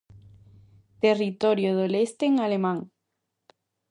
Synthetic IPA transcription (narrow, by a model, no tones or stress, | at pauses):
t̪erit̪oɾjoðolest̪eŋalemãŋ